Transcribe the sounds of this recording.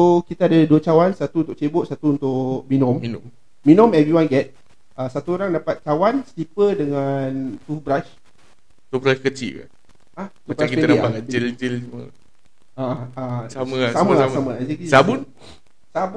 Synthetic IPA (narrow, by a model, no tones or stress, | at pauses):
sokit̪aːdaduət͡ʃawansat̪uunt̪ʊʔ̚t͡ʃebʊʔsat̪uːnt̪ʊʔmĩnɔ̃minː | ĩnɔ̃mɛvɾiwanɡɛt̪̚ | ʔasat̪uoɾaŋdapat̪̚t͡ʃawansəlipədəŋant̪ubɾat͡ʃ | t̪ubɾaʃkət͡ʃḭʔka̰n | at̪ubaskipetadapaad͡ʒild͡ʒilsumə̰ | aãasaməsamə̃asaməãad͡ʒikisabun | sab